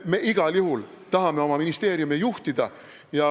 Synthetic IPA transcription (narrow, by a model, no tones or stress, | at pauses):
me̞ʔiɡ̥ɑljuɦul | t̪ɑɦɑme̞o̞mɑminist̪e̞ːɾjumejuht̪id̪̥ɑ | jɑ